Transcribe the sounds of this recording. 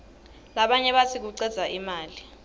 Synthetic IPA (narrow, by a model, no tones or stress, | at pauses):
laɓaɲɛɓatʰik̬uǀɛd̥z̥ʱaʔimaːli